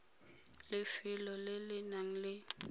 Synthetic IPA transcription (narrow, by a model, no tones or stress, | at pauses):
lɪfɪlɔlɪlɪnaŋ̩lɪ